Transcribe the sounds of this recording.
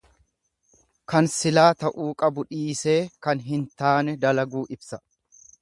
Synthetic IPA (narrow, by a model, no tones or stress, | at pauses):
kɐnsɪlaːt̪ɐʔuːkʼɐbʊᶑiːse̞ːkɐnɦɪnt̪aːnɛd̪ɐlɐɡuːʔɪbsɐ